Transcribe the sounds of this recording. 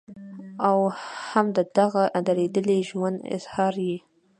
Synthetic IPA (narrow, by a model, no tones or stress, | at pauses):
awhamd̪əd̪aɣaʔd̪aɾed̪əleʒwand̪ɪ̰z̥hɑɾji